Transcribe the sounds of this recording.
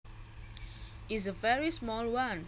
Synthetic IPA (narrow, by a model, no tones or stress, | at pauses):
izəvɛɹismɔːlwʌ̃n